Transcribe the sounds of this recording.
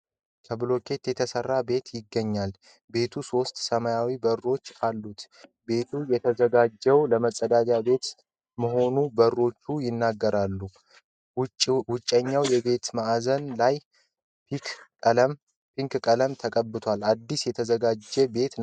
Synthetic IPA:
kʰəblo̞kʰʼe̞t̪jɛt̪ʰəsərːabe̞t̪jɪɡːəɲːal | be̞t̪ʰuso̞st̪səmajawibərːo̞t͡ʃːalːut̪ | be̞t̪ʰujɛt̪ʰəzəɡad͡ʒːɛwləməsʼəd̪ad͡ʒabe̞t̪ | məɦo̞nubərːo̞t͡ʃːujɪnːaɡːəɾalːu | wʊt͡ʃʼːəɲːawjɛbe̞t̪maʔzənlaj | m | piŋkkʼələmt̪ʰəkʼəbːɨt̪ʰwalad̪ːisjɛt̪ʰəzəɡad͡ʒːɛbe̞t̪

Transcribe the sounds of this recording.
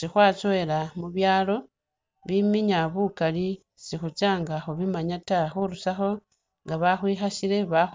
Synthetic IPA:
sixwaːt͡soelamuβjaːlo̞ | βimiɲaβukali | sixut͡ʃaːŋɡaxoβimaɲataxuɾusaxo̞ | ŋɡaβaxwiːxaʃile̞βax

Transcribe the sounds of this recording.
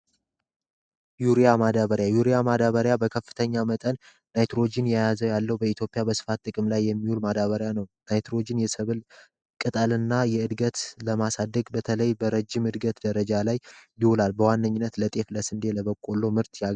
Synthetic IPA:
juɾijamad̪aβəɾjajuɾijamad̪aβəɾjabəkʰəfːɨ̥t̪ʰəɲːamət̪ʼən | najt̪ɾo̞d͡ʒɪnjajazəwjalːəwbəit̪jo̞pʼijabəsɨ̥fat̪ʼːɨkʼɨmlajːɛmːihulmad̪aβəɾjanəwnajt̪ɾo̞d͡ʒɪnjɛsɨβɨl | kʼɨt̪ʼəlɨnːajɛɨd̪ɡət̪ləmasad̪ːəɡbət̪ʰələjbəɾəd͡ʒːɪmɨd̪ɡət̪d̪əɾəd͡ʒalajːɪwlalbəwanːəɲːɪnːət̪lət̪ʼe̞fləsɨnd̪e̞ləβəkʼːo̞lːo̞mɨɾt̪ʰja

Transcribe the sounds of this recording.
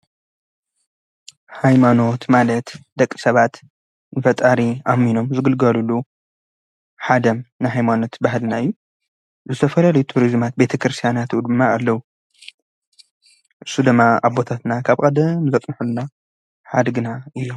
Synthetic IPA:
hajmano̞t̪malɐt̪d̪̥ɐkʼːi̥sɐβat̪ | nɨfɐt̪ʼaɾiʔamːino̞mzɨɡɨlɡɐlulːu | ħad̪ɐmnɨɦajmano̞t̪bahlnaɨjːu | zɨt̪ʰɐfɐlalɐjut̪ʰuɾizmat̪̚be̞t̪ʰɐkɾɨst̪ʰijanat̪ɨud̪ɨmːaːlːɐwu | ʔɨsːud̪ɨmːaaβbo̞t̪ʰat̪nakʰaβkʼɐd̪ɐmzɐt̪ʼnħuluna | ħad̪ɡɨnaʔɨjːom

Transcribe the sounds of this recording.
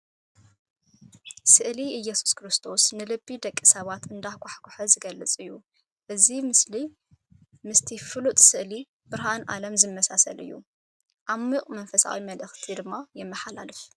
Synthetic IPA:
sɨʔliɨjːɛsu̥skʰɾɨst̪ʰo̞snɨlɨbːid̪ɐkʼːisɐβat̪ɨnd̪ahkʷaħkʰʷuħɐzɨɡɐlːɨt͡sʼɨjːu | ʔɨzimɨsli | mɨst̪ʰifɨlut̪ʼsɨʔli | b̥ɨɾɦanʔa̰lɐmzɨmːɐsasɐlʔɨ̰jːṵ | ʔamːɨqʼmɐnfɐsa̰wimɐlʔɨxt̪ʰid̪ɨmːajɛmːɐħala̰lɨf

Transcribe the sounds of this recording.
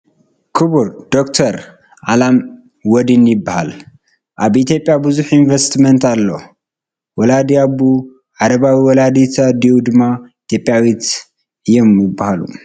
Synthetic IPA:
kʰɨβuɾd̪̥okt̪ʰɐɾ | ʔalam | wɔd̪injɪbːahal | ʔaβit̪ʰjo̞pʼjabɨzuħinvest̪ment̪alːo | wɔlad̪iabu | ʕaɾɐβawiwɔlad̪it̪ʰad̪iwud̪ɨmːait̪ʰjo̞pʼjawit̪ | ɨjːomjɪbːahalṵ

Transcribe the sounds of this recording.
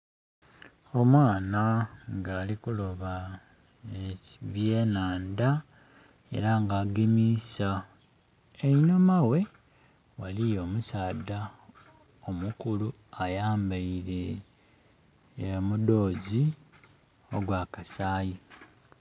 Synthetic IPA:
o̞mwaːnaŋɡaːlikulo̞βa | eβjeːnaːnda | e̞̰ɾaŋɡaːɡemisa | eino̞mawe̞ | walijo̞ːmusaːda | omukulu | ajaːmbaiɾe̞ | mudo̞ːzi | o̞̰ɡwaːkasaːji

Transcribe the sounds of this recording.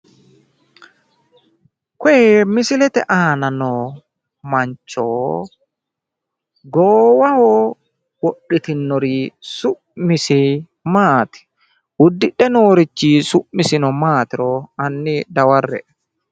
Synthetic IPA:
kɔɛmɪsɪlɛt̪ɛ̰ʔaːnɐnɔ | mɐɲt͡ʃːoː | ɡoːwɐhɔː | wɔɗɪt̪ɪnːɔɾiːsʊʔmɪsɛ | maːt̪ɪ̥ | ʊd̪ːɪᶑɛnoːɾɪt͡ʃːiːsʊʔmːɪsɪnɔmaːt̪ɪɾɔɐnːɪd̪ɐwɐrːɛ̰

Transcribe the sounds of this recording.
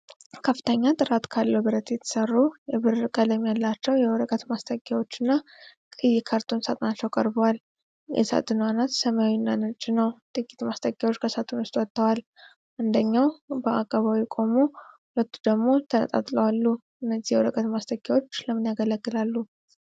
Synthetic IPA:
kʰəfɨ̥t̪ʰəɲːat̪ʼɨɾat̪kʰalːəbɨɾət̪jɛt̪ʰə̥sərːujɛβɨɾkʼələmjalːat͡ʃːɛwjɛwɔɾəkʼət̪mast̪ʰʼəɡjawo̞t͡ʃːɪnːa | kʼɨjːɪkʰaɾt̪ʰonsat̪ʼnat͡ʃːɛwkʼəɾbəwal | jʔɛ̰sa̰t̪ʼɨnwanat̪səmjawinːanɨt͡ʃʼɪnəwt̪ʼɨkʼit̪mast̪ʰʼəɡjawo̞t͡ʃːkʰəsat̪ʰɨnwʊst̪ʼwɔt̪ːəwal | ʔɨnd̪əɲːawbəakʼːaβawikʼo̞mohulət̪ːu̥d̪əɡmo̞t̪ʰənə̰t̪ʼa̰t̪ʼləwalːuʔɨnːəzːihjɛwɔɾəkʼət̪mast̪ʰʼəɡjawo̞t͡ʃːləmːɨnjaɡələɡːɨlalːu

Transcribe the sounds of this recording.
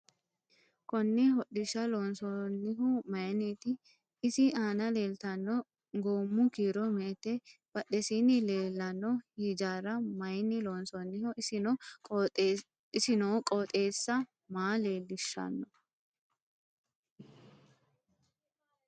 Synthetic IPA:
kɔnːɪhɔɗɪʃːɐloːnsɔnːɪɦʊmɐjniːt̪ɪ | ɪsɪaːnɐle̞ːlt̪ɐnːɔ | ɡoːmːʊkiːɾɔmeːt̪ɛb̥ɐɗɛsinɪleːlːɐnːɔhiːd͡ʒaːɾɐmɐjnːɪloːnsɔnːɪhɔɪsɪnɔ | ɪsɪnoːkʼɔːt̪ʼe̞ːsːɐ | maːleːlːɪʃːɐ̰nːɔ

